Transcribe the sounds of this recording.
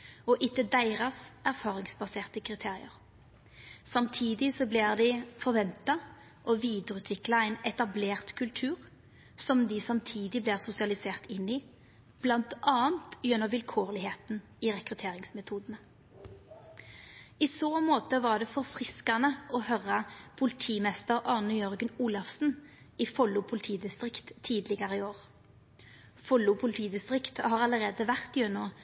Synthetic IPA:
ɔʔɪk̪ːəd̪æɪʁɑsæʁfɑːʁɪŋsbɑseːʁt̪əkʰʁɪt̪ʰeːʁɪ̰əʁ | sɑmt̪ʰiːd̪ɪsɔblɪʁd̪ɪfɔʁʋɛnt̪ɑ | ʔɔʋiːd̪əʁʉːt̪ʰʋɪklɑæɪnɛt̪ɑbleːʁt̪kʰʉlt̪ʰʉːʁ | sɔmd̪ɪsɑmt̪ʰiːd̪ɪbliːʁsʊsɪɑlɪseːʁt̪ɪnːi | b̥lɑnt̪ʔɑːənt̪jɛnːɔʋɪlkʰoːʁlɪheːt̪n | iːʁɛkʁʉt̪ʰeːʁɪŋsmɛt̪ʰuːd̪ən̩ə | isoːmoːt̪əʋɑʁd̪ɛfɔʁfʁɪskɑnəʔɔhœʁəpʰʊlɪt̪ʰiːmɛst̪əʁʔɑːnʊjœʁɡənuːlɑfsn̩ | iːfɔlːʊpʰʊlɪt̪ʰiːd̪ɪst̪ʁɪkt̪ʰːiːd̪lɪɡəʁəɪoːʁ | fɔlːʊpʰʊlɪt̪ʰiːd̪ɪst̪ʁɪkt̪hɑːʁɑləʁeːd̪əʋæʁt̪jœno

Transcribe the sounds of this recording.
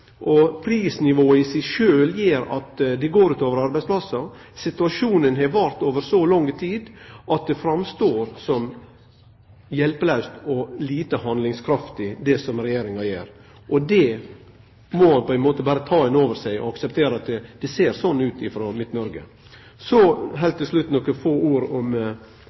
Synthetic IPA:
ʔɔpʰɾiːsnɪʋoːɪsɛɪʃøːljeːɾɑ̰t̪d̪ɛɡoːɾʉːt̪oːʋəɾɑɾbæɪtsplɑsːɑ | sɪt̪ʉɑʂuːnənɦɛʋɑɾt̪oːʋəɾsɔlɔŋːt̪ʰiːd̪ʔɑt̪̚d̪ɛfɾɑmst̪oːɾsɔm | jɛlpəlɑʉst̪ɔliːt̪əhɑnd̪lɪŋskʰɾɑft̪ɪd̪ɛsɔmɾɛjeːɾɪŋɑjeːɾ | ʔɔd̪ɛ | mɔhɑnpɔæɛnmoːt̪əbɑːɾət̪ʰɑːɛnoːʋəɾsæɪɔ̰ɑksɛp̚t̪ʰeːɾəɑt̪d̪̥ɛseːɾsɔnːʉːt̪ɪfɾɔmɪt̪nɔɾɡə̰ | sɔɦɛlt̪ːɪslʉt̪nɔkːəfoːʔuːɾɔm

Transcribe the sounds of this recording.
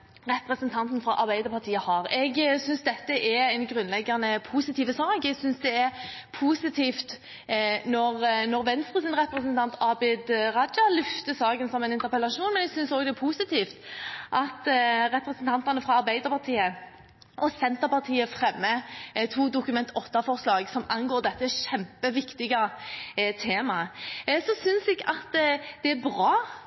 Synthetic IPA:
ʁɛpɾɛsənt̪ʰɑnt̪n̩fɾɑʔɑɾbæɪd̪əɾpʰɑʁt̪ʰiːəhɑɾɛɡsʏnsd̪ɛt̪ːəʔɛɛɪnɡɾʉnlɛɡːɑnəpʰuːsɪt̪ʰiːʋəsɑːkɛɡsʏnsd̪ɛɛɾpʰuːsɪt̪ʰiːft̪ | nɔʁnɔɾʋɛnst̪ʁəsɪnʁɛpɾɛsənt̪ʰɑnt̪ʰɑbɪd̪ʁɑd̪d͡ʒɑlʏft̪əsɑːɡənsɔmɛɪnɪnt̪əɾpɛlɑʂuːnmɛnɛɡsʏnsoːɡd̪ɛpʰusɪt̪ʰiːft̪ʔɑt̪ɾɛpɾɛsnt̪ʰɑnt̪ɑnəfʁɑɑɾbæɪd̪əɾpʰɑʁt̪ʰiːə | ɔsɛnt̪əʁpɑʁt̪ʰiːəfʁɛmːət̪ʰuːd̪ʊkʉmɛnt̪ʰɔt̪ːɑfɔʁslɑːɡsɔmɑnɡoːʁd̪ɛt̪ːəʃɛmpəʋɪkt̪ɪɡɑ | t̪ʰeːmɑsɔsʏnsɛɡɑt̪d̪̥ɛæbʁɑː

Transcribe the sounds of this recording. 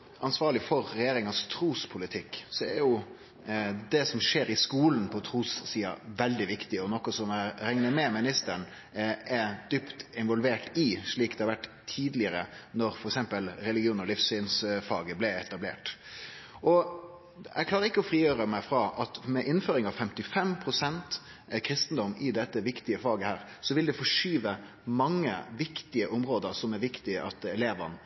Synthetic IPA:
ɑnsʋɑːɾɭɪfɔɾːɛjeːɾɪŋɑst̪ʰɾuːspʰʊlɪt̪ʰɪkːsɔɛæjʊ | d̪ɛsɔmʂeːɾɪskuːlnpʰɔt̪ʰɾuːssiːɑ̰ʋɛld̪ɪʋɪkt̪ɪɔnɔkɔsɔmæɾɛŋnəmɛmɪnɪst̪əɳ | ɛd̪̥ʏpt̪ɪnʋɔlʋeːʈɪʂɭiːkd̪ɛhɑɾʋæʈːt̪ʰiːd̪lɪəɾənɔɾfɔɾɛksɛmpəlɾɛlɪɡɪuːnəɾɔlɪfsyːnsfɑ̰ːɡəblɛɛt̪ɑblḛːʈ | ʔɔ | ɛ̰ɡʰlɑːɾəɾɪkːəɔfɾiːjøːɾəmæɪfɾɑʔɑt̪mɛʔɪnføːɾɪŋɑʋfɛmt̪ɪfɛmpʰɾʊsɛnt̪ | kʰɾɪst̪n̩d̪ɔmɪd̪ɛt̪ːəʋɪkt̪ɪəfɑːɡəhæːɾsɔʋɪld̪ɛfɔʂyːʋə | mɑŋːə̰ʋɪkt̪ɪəʔʊmɾoːd̪əɾsɔmæɾʋɪkt̪ɪəʔɑt̪ɛleːʋən

